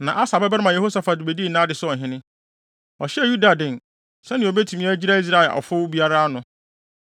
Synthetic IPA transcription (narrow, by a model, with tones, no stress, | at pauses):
nã˨ʔa˦sa˨bɛ˦bmã˨e˨ho˦sa˨fa˨dɪ˨be˨diː˦˨nã˦dɪ˨sʊ˦ɔ˨ɦɪ̃˦nɪ̃˦ | ɔ˨ɕɛ˦˨ju˦da˨dɪ̃˨n˨ | sɛ˦nɪ̃˨o˨be˦tʰu˨mĩ˦a˦d͡ʑi˦ɾa˦i˦s̬ɾa˦ɛ˨lʔɔ̰˨fʊ˦wbi˦a˦ɾa˦nʊ̃˦